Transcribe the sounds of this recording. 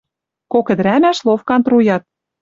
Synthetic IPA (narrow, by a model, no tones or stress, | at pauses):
kokə̆d̪̆ɾæmæʃlˠofkɑnt̪rujɑt̪̚